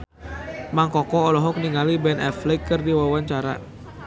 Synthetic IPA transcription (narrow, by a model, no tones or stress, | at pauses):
maŋkɔkɔːlɔɦɔk̚niŋalibɛnɛflikːɨrdiwawaɲt͡ʃaɾa̰